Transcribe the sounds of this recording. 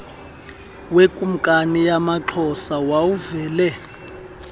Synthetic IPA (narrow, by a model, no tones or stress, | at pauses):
wekʼum̩kʼanijamaǁʰɔsawawuvɛːlɛ